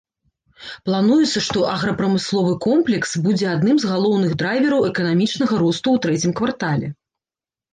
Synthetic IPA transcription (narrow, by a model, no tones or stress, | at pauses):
plˠanujɛt̪sːɐʂt̪ɔʔɐɣɾɐpɾɐmɨslˠɔvɨkɔmplʲɛksbud͡zʲɛad̪nɨmzɣalˠɔwnɨɣd̪ɾajvʲɛɾɐwɛkɐnamʲit͡ʂnɐɣɐɾɔst̪uwt̪ɾɛt͡sʲimkvart̪alʲɛ̰